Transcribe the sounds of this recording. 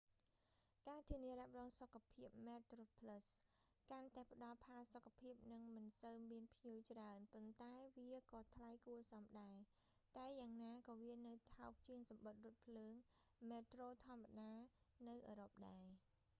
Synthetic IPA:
kaːt̪ʰiəniəɾɛ̆əp̚rɔːŋsokʰːapʰiəp̚mɛːt̪roːpʰləs | kant̪aɛpə̆ɗɑlpʰaːlsokʰːapʰiəp̚nɨŋmɨnsəwmiənpʰɲiəwt͡ɕraənpont̪aɛʋiəkɑːt̪ʰlajkuəsɑmɗaɛ | t̪aɛjaːŋnaːkɑːʋiənɨwt̪ʰaɔk̚t͡ɕiəŋsɑmɓət̪̚rʊ̆ət̪̚pʰləːŋ | meːt̪roːt̪ʰŏəmːaɗaːnɨwʔəːɾop̚ɗaɛ

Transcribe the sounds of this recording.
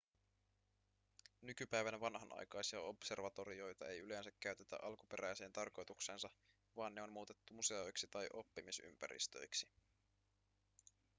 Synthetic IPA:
nykypæjʋænʋɑnɦɑnʔɑ̰jkɑjsiɑo̞pse̞rʋɑt̪o̞ɾio̞jt̪ɑe̞jyle̞nsækːæyɥt̪e̞t̪æ̰ʔɑlkupe̞ɾʔæjse̞ːnt̪ɑrko̞jt̪ukse̞ːnsɑ | ʋɑːnːe̞o̞nmuːt̪e̞t̪ːumuse̞o̞jksit̪ɑjʔo̞pːimisy̰mpæ̰ɾḭst̪ø̞̰jksi

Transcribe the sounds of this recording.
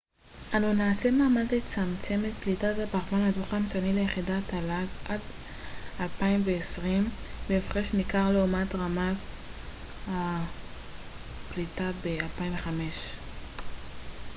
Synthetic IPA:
ʔanunaːsemaːmalt̪it͡samt͡se̞met̪̚plitatapaʁvanhaduχamt͡sanilejeχidataladʔad | alpaimveesʁimbeːfʁeʃmikaʁleumatʁamat | ha | plitabealpaimveχame̞ʃ

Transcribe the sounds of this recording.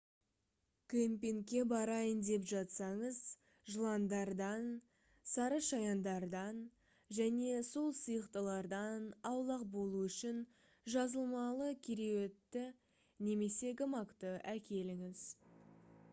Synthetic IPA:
kʲʰempeŋkʲːe̞bɑɾɑjənd̪e̞pʒɑt̪sɑɴəz | ʒəlˠɑnd̪ɑɾd̪ɑn | sɑɾəʃɑjɑnd̪ɑɾd̪ɑn | ʒæne̞so̞lˠsəjəqt̪əlˠɑɾd̪ɑnɑwlˠɑqbo̞lˠuʏʃɪn | ʒɑzəlˠmɑlˠəkʲʰeɾe̞we̞t̪ːɪ | ne̞me̞se̞ɡəmɑkt̪əʔækʲe̞lɪŋɪz

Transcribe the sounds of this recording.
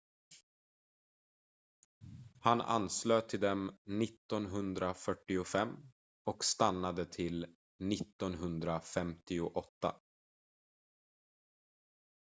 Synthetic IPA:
hana̰nsløːt̪ʰɪld̪ɛmnɪt̪ːɔnɦɵnd̪ɾafœʈːɪʊfɛmː | ɔkst̪anːad̪ət̪ʰɪl | nɪt̪ːɔnɦɵnd̪ɾafɛmt̪ɪʊʔɔt̪ːa̰

